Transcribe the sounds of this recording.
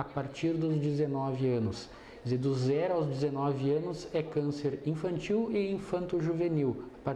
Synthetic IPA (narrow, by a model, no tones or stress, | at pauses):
apaɾt͡ʃiɾd̪ʊzd͡ʒɪzenɔvɪɐ̃nʊs | zed̪ʊzzɛɾʊawzd͡ʒɪzenɔvɪɐ̃nʊzɛkɐ̃seɾĩfɐ̃nt͡ʃiwɪĩfɐ̃nt̪ʊʒuveniwapaɾ